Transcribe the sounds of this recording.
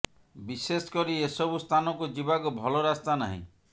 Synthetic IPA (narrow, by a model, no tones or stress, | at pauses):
bisesɔ̥kɔɾiesɔbust̪ʰanɔkud͡ʒibaɡubʱɔlɔɾast̪anaɦḭ̃